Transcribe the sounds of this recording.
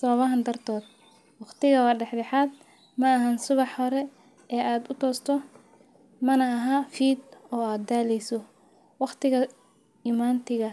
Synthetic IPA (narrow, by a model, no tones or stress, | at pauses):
sɐβɐβɐɦɐnd̪ɐrt̪ʰɔːd̪̚ | wɑqt̪ɪɣɐwɑːɖɛħdɛħaːd̪̚ | mɐːɦansʊβɑħhɔɾɛ | ɛːʔaːd̪ʊt̪ʰɔːst̪ʰɔ | mɐnɐːɦaːfiːd̪ɔːaːd̪̚aːlɛjsɔ | wɑqt̪ɪɣɐ | imaːnt̪ʰɪɣɐ